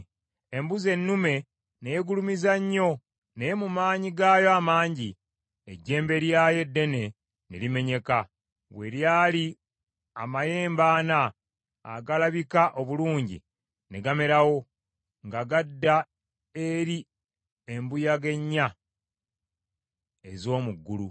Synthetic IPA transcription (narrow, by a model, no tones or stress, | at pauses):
embuze̞nːume̞ | nejeɡulumizaɲːo̞ | nejemumaːɲiɡaːjo̞amaːɲɟi | ḛɟːe̞ːmbe̞ɾjaːje̞dːe̞ne̞ | nḛlime̞ɲe̞ka | βwe̞̰ljaːli | a̰maje̞ːmbaːna̰ː | ɡalaβikaʔo̞βuluːɲɟḭ | ne̞ɡame̞ɾawo̞ | ŋɡaɡadːa | e̞ɾi | e̞mbujaɡe̞ɲːa | e̞zo̞ːmuɡːulṵ